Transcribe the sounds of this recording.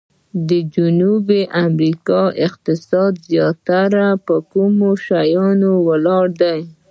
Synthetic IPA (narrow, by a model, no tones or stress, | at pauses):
d̪əd͡ʒunubeʔamɾikɑɪqt̪ɪsɑd̪zjɑt̪aɾapəkumoʃajɑnowəlɑɽd̪aj